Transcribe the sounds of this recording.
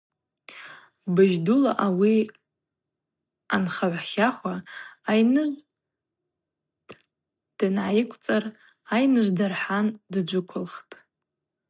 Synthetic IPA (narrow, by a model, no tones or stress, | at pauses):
bɨʒdulaʔawi | anχaʕʷχʲaχʷaːjnɨʒ | d̥ɨnʕajikʷʰʼt͡sʼar | ajnɨʒʷdarħandad͡ʒʷʊkʷʰʊlχtʼ